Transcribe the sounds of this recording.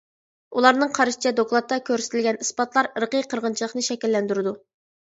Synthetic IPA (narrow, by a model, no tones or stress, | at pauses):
ulˠɑɾnɨŋqʰɑɾʃi̥t͡ʃʰɛd̪oklˠɑt̪ːɑkʲʰøɾsɪt̪ʰɪlɡʲɛnispɑt̪lˠɑɾɾəqijqʰəɾʁənt͡ʃʰilˠəχnɨʃɛkʲilːɛnd̪yɾɪd̪u